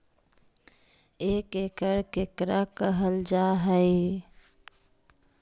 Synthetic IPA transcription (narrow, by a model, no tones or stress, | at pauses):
eːkekəɾkekɾakəɦəld͡ʒaɦəe